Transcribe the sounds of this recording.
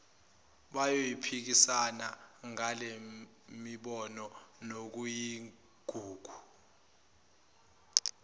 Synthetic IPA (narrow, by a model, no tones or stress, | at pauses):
ɓajojipʰik̬isanaŋale | miɓɔnɔnok̬uji | ɡ̥ʱuːɡ̥ʱu̥